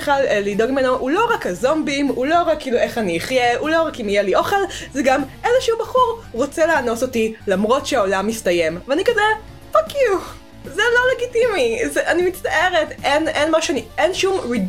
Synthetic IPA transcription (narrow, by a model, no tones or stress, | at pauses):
χallido̞ɡimenoʔulo̞ʁakhazo̞mbimulo̞ʁakːiːlue̞χaniiχjeulo̞ʁakimijeliʔo̞χe̞lzeɡamʔeleʃɛubɐχuʁʁo̞t͡seleːno̞so̞tilamʁo̞tʃeaolamistɐje̞mveanikaze | fakju | zelo̞leɡitimizeʔanimit͡staʔeʁetʔenenmaʃɛanienʃumʁi